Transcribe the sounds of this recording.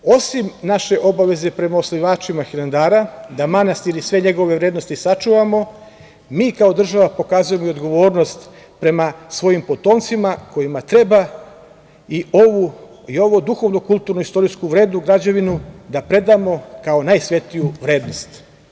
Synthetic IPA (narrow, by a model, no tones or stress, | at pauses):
o̞simnaʃe̞ʔo̞baʋe̞ze̞pɾe̞maosliʋaːt͡ʃimaxiland̪aːɾad̪amanast̪iɾisʋe̞ɲe̞ɡo̞ʋe̞ʋɾeːd̪no̞st̪isat͡ʃuʋamo̞ | miːkao̞d̪r̩ʒaʋapo̞kaːzuje̞moio̞d̪ɡo̞ʋo̞ːɾno̞st̪ | pɾe̞masʋo̞jimpo̞t̪o̞ːnt̪simako̞jimat̪ɾe̞ba | iou | io̞ʋod̪uxo̞ʋnokulˠt̪uɾnuist̪o̞ɾiskuʋɾe̞ːd̪nuɡɾad͡ʑaʋinud̪apɾe̞d̪amo̞kaonajsʋe̞t̪ijuʋɾe̞ːd̪no̞st̪